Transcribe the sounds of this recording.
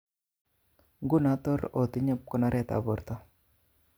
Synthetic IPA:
ɡu˦nat̪ɔ˦ɾo˨t̪i˦ɲe˦p̚kɔ˦na˦ɾɛt̪a̰˨bɔ˨ɾt̪a˦

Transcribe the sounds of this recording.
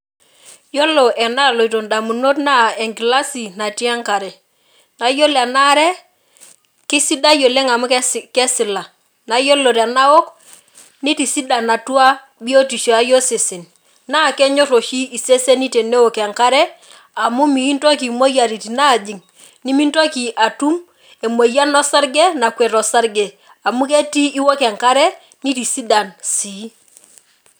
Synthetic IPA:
jo˦lo˨ʔɛ˨na˦˨lo˨i˨t̬o˨nda˨mu˨no˦t̬na˦ɛ˨ŋɡi˨la˦si˨na˨ti˦a˦ŋka˨ɾɛ˨ | na˨˦jo˦la˨na˦ɾɛ˦ | ki˦si˦da˦jo˨le˦ŋa˨mu˦kkɛ˦sɪ˨la˨ | na˨jo˦lo˨ɾa˨na˦wo˦k | ni˦ti˨si˦da˨na˨tu˦a˦ | bi˦o˦ti˨ʃa˦jo˦se˨se˨n | na˦˨kɛ˦ɲo˦ɾo˨ʃi˦ʔi˨se˦se˦ni˦te˨ne˦wo˨kɛ˨ŋka˦ɾɛ˦ | a˨mu˦mi˨i˦nto˦ki˨mo˦ja˨ɾi˨ti˨na˦˨d͡ʒi˨ŋ | ni˦mi˦nto˦ki˨ʔa˨tu˦m | e˨mo˨ja˦nɔ˦sa˦ɾɡe˦na˨kʷwɛ˨ɾɔ˨sa˦ɾɡe˨ | a˨mu˦ke˦ti˦ʔi˦wo˦kɛ˨ŋka˦ɾɛ˦ | ni˦ti˨si˦da˨nsiː˨˦

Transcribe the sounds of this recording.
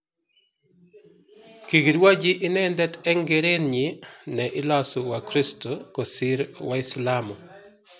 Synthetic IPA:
ki˨ɡi˨ɾwa˦d͡ʒɪʔɪ˦nɛ˦ndɛtɛ˦ŋɡeɾe˦nɲɪnɛʔɪ˦la˦sʊwakɾi˦stokosɪ˦ɾwaɪslamo˨

